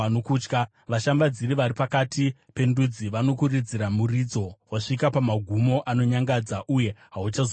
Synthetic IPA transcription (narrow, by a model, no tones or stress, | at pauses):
anokuːt͡ʃka | ʋaʃambad͡ziɾiʋaɾipakatipe̞ndud͡ziʋano̞kurid͡ziɾamurid͡zo̞waʂikapamaɡʱumo̞ʔano̞ɲaŋɡad͡zaʔuje̞ɦaut͡ʃazo